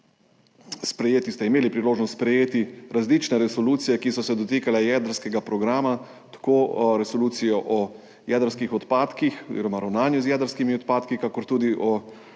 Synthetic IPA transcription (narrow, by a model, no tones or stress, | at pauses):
spɾɛjeːt̪ist̪ɛimeːlipɾiloːʒnɔst̪spɾɛjeːt̪iɾazlit͡ʃnɛɾɛsɔluːt̪sijɛkisɔsɛd̪ɔt̪iːkalɛjɛd̪əɾskɛɡapɾɔɡɾaːma | t̪ḁkoːɾɛsɔluːt̪sijɔʔɔ | jɛd̪əɾskixɔt̪paːt̪kixozḭɾɔmaɾawnaːnjuzjɛːd̪əɾskimiɔt̪̚paːt̪kikaːkɔɾt̪uːd̪iʔɔ